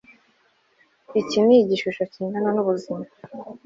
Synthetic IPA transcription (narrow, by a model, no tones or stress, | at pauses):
iciniiɟiʃuʃo̞ciːndananuβuzima